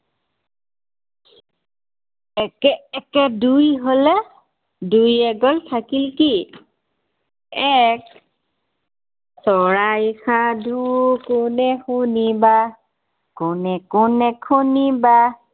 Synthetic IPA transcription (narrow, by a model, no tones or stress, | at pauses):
ɛkɛɛkɛdujɦolɛ | dujɛɡɔltʰakilki | ɛk̚ | sɔɹajkʰadʱukʊnɛxuniba | kʊnɛkʊnɛkʰuniba